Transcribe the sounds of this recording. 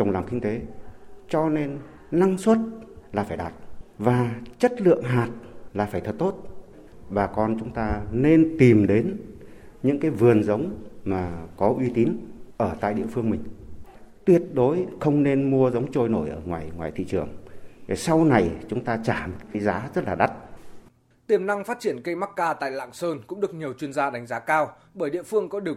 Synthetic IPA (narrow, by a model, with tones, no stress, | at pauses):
t͡ɕə˨˩wŋ͡mlaː˨˩mkï˧ŋ̟t̪e˨˦t͡ɕɔ˧ne˧nː | a˧ŋswə˦˥t̚laː˨˩faː˧˩jɗaː˨˩t̚vaː˨˩t͡ɕə˦˥t̚lɨ̰˧˨əŋɦaː˨˩t̚laː˨˩faː˩jt̪ʰə˨˩t̚t̪o˦˥t̚ | ɓaː˨˩kɔ˧nt͡ɕʊ˨˦ŋ͡mt̪aː˧ne˧nt̪i˨˩mɗe˨˦n | ɲɨ̰˧˥ŋkaː˨˦jvɨ˨˩ənzə˨˦wŋ͡mmaː˨˩kɔ˨˦ʔwi˨˦t̪i˨˦nʔəː˧˩t̪a̰ː˧˨jɗḭ˧əfɨ˧əŋmï˨˩ŋ̟t̪wi˦˥ət̚ɗo˨˦jxə˧wŋ͡mne˧nmu˧əzə˨˦wŋ͡mt͡ɕo˧jno˧˩jʔəː˧˩ŋwaː˨˩jŋwaː˨˩jt̪ʰḭ˧˨t͡ɕɨ˧˩əŋ˨˩sa˧wna˨˩jt͡ɕʊ˨˦ŋ͡mt̪aː˧t͡ɕaː˧˩m˨ta˨˦jzaː˨˦zə˦˥t̚laː˨˩a˦˥t̚ | t̪i˨˩əmna˧ŋfaː˦˥t̚t͡ɕi˧˩ənkə˧jma˦˥t̚kaː˧t̪a̰ː˧˨jla̰ː˧˨ŋsəː˧nkʊ̰˧˥ŋ͡mɗɨ˨˩ək̚ɲi˨˩əwt͡ɕwi˧ənzaː˧ɗa˨˦jŋ̟zaː˨˦kaː˧w | ɓəː˧˩jɗḭ˧˨əfɨ˧əŋkɔ˨˦ɗi˨˩ə